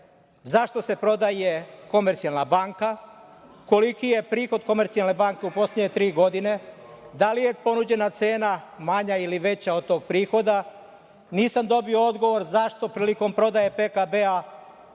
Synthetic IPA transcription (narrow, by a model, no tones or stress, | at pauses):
zaʃt̪o̞se̞pɾo̞d̪ajeko̞meɾt̪sialˠnabaŋka | ko̞likije̞pɾiːxo̞d̪ko̞me̞ɾt̪sialne̞baːŋke̞upo̞slʲeɲet̪ɾiːɡo̞d̪ine̞ | d̪alije̞po̞nud͡ʑe̞nat̪se̞ːnamaɲailiʋe̞t͡ɕaod̪̚t̪o̞ːɡ̚pɾiːxo̞d̪a | niːsamd̪o̞bio̞o̞d̪ɡo̞ʋo̞ɾzaʃt̪o̞pɾiːliko̞mpɾo̞d̪aje̞pekabea